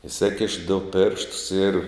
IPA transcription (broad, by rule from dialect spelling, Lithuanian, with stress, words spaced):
ɪˈsʲeːkʲɪʃ dʊ ˈpʲeːrʃtʊs ɪr